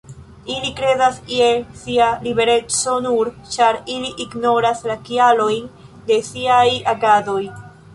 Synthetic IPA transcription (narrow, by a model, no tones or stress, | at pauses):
ilikɾe̞zasiesialibe̞ɾe̞t͡so̞nuɾt͡ʃaɾiliʔiɡno̞ɾaslakialo̞jn | de̞siajaɡado̞j